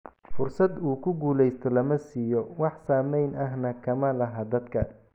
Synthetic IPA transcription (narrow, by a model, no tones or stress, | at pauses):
fʊrsɐd̪uːkʰʊɡuːlɛjst̪ʰɔlɐmɐsiːjɔwɑħsaːmɛjnɐɦnɐkʰɐmɐlɐɦaːd̪ɐd̪kʰɐ